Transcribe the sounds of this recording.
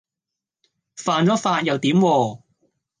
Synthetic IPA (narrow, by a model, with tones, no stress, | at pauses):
faː˨˩nt͡sɔː˨˥faː˧t̚jɐ˨wt̪iː˨˥mwɔː˧